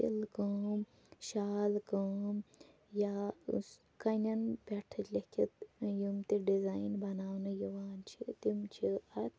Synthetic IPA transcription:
ḭlkəm | ʃaːlkɐm | jas | kɐnʲɐnbʲeʈʰɐt͡ʃlʲɐkʰʲit̪jumt̪iɖizaːjnbɐnaːwnɨjiʋaːnt͡ʃʰit̪imt͡ʃʰiɐt̪

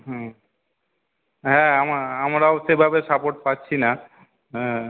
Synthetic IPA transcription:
ɦɛ̃ | ɦɛ̃amaɾamɾaosebʱabesapoʈ̚patːɕʰina | ɦɛ̃

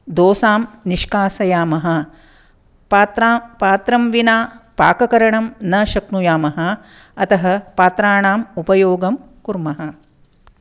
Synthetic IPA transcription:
d̪oːsaːmniʂkaːsɐjaːmɐɦɐ̆ | t̪ɾpaːt̪ɾɐmʋinaːpaːkɐkɐɾɐɳɐmnɐʃɐknujaːmɐɦɐ | ɐt̪ɐɦɐ̆paːt̪ɾaːɳaːmupɐjoːɡɐm | kuɾmɐɦɐ̆

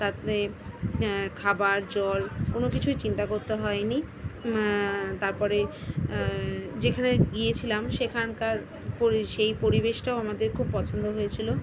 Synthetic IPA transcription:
t̪at̪e | kʰabaɾd͡ʑɔlkonokit͡ɕʰujt͡ɕint̪akoɾt̪eɦɔeni | t̪aɾpɔɾe | d͡ʑekʰaneɡiet͡ɕʰilamʃekʰankaɾ | poiʃejpoɾibeʃʈaoamad̪eɾkʰub̚pɔt͡ɕʰond̪oɦojet͡ɕʰilo

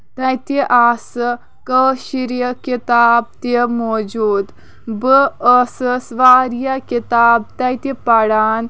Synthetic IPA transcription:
t̪ajt̪eʔasə | kəɕiɾjəkit̪aːb̚t̪emɔd͡ʒuːd̪ | bəəsəsʋaɾjakit̪aːb̚t̪ajt̪ipaɽaːn

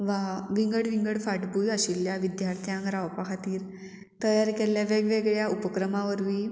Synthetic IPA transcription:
ʋaʋiŋɡəɽʋiŋɡəɽfaʈbujəɕiljaʋid̪jaɾt̪ʰjãŋkɾawpakʰat̪iːɾ | t̪əjaɾkeljaʋeɡʋeɡɭjaupəkɾəmaʋəɾʋiː

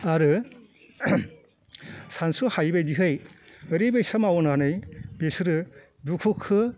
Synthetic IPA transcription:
aɾɯ | sansuhajbajdiɦɯjɯɾibajsamawɔnanɯjbesɯɾɯ | dukʰukʰːɯ

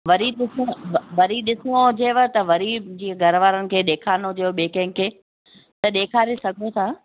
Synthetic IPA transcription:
ʋɐɾiɗɪsʋɐɾiɗɪsod͡ʑeːʋət̪ɐʋɐɾid͡ʑĩːə̃ɡʱɐɾʋaːɾənɪ̆kʰeːɗeːkʰaːnod͡ʑeoɓeːkɐ̃ɦɪ̃ŋkʰːeː | t̪ɐɗeːkʰaːɾesɐɡʱot̪ʰaː

